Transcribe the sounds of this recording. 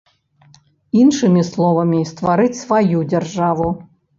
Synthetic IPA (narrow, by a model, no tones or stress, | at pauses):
inʂɨmʲislˠɔvɐmʲist̪vaɾɨt͡sʲsvajud͡zʲarʐavu